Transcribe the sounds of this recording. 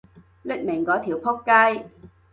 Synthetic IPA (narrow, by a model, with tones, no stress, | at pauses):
lɪ˥k̚mɪ˨˩ŋkɔː˨˥t̪ʰiː˨˩wpʰo˥kːaː˥j